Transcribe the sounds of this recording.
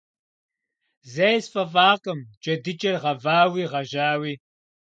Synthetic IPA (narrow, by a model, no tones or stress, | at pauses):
zɐjsfɐfaːqʼəmd͡ʒʼɐdɨt͡ʃʼɐrʁɐvaːwiːʁɐʒaːwiː